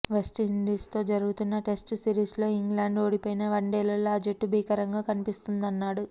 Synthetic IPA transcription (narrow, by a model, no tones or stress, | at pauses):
ʋesʈind̪iːst̪o̞ːd͡ʒɐɾuɡut̪unːɐʈe̞sʈsiɾiːslo̞ːiŋɡlaːɳɖo̞ːɽipoːjinɐʋɐɳɖeːlɐlːoaːd͡ʒeʈːubʱiːkɐɾɐŋɡaːkɐnipist̪und̪ɐnːaːɽu